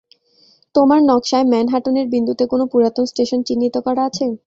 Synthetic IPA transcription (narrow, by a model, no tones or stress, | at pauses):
t̪omaɾnɔkʃaemɛnɦaʈoneɾbind̪ʱut̪ekonopuɾat̪onsʈeʃont͡ɕinːit̪okɔɾaat͡ɕʰe